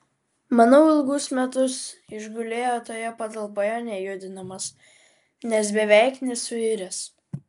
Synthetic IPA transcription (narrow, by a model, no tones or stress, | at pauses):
mɐnɐʊɪlˠɡʊsmʲɛt̪ʊsɪʒɡʊlʲeːjoːt̪oːjɛpɐt̪ɐlˠpoːjɛnʲɛjʊd̪ʲɪnɐmɐs | nʲɛsbʲɛʋʲɛˑɪknʲɛsʊɪɾʲɛs